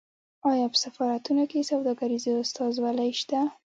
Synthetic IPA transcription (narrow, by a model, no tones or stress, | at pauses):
ɑjɑpə̥safɑɾat̪unokesawd̪ɑɡaɾizeʊst̪ɑzwalajʃt̪a